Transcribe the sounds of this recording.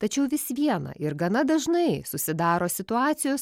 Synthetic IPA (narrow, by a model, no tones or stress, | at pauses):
t̪ɐt͡ʃʲɛʊʋʲɪsʋʲiɛnɐ̰ʔɪɾɡɐnɐd̪ɐʒnɐɪsʊsʲɪd̪ɑːɾoːsʲɪt̪ʊɑːt̪sʲɪjoːs